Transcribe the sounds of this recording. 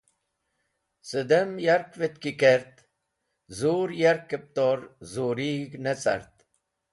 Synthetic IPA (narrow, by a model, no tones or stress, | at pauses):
sɨd̪emjɐɾkʋet̪kikeɾt̪ | zuːɾjɐɾkːep̚t̪oɾzuːɾiɡnet͡sɐ̰ɾt̪